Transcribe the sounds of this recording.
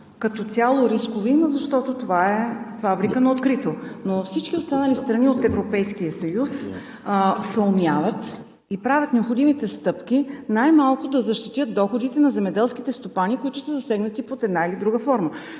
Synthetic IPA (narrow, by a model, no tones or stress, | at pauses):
kɐt̪ɔt̪sʲalˠoɾiskovimzɐʃt̪ɔt̪ot̪ovaɛfabɾikənɐot̪kɾit̪onofsit͡ʃkʲiost̪anəlist̪ɾɐniot̪ɛvɾopɛjsk̟ijəsɐjus | sɛomjavət̪ | ipɾavʲət̪nɛopxod̪imit̪ɛst̪ɤpkʲinajmalˠkʊd̪ɐzɐʃt̪it̪jət̪̚d̪ɔxod̪it̪ɛnɐzɛmɛd̪ɛlˠsk̟it̪ɛst̪opanikoit̪ʊsəzɐsɛɡnət̪ipot̪ɛd̪nailid̪ɾuɡəfɔɾmə